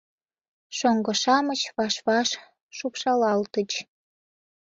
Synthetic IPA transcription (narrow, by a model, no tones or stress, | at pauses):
ʃoŋɡŏʃɑmət͡ɕβɑʃβɑʃ | ʃupʃɑlɑlt̪ət͡ɕ